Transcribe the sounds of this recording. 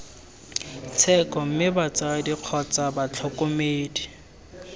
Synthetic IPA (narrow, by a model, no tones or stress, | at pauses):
t͡sʰɛkɔm̩mɪbat͡sadiq͡χʰɔt͡sʼabat͡ɬʰɔkʼomeːdi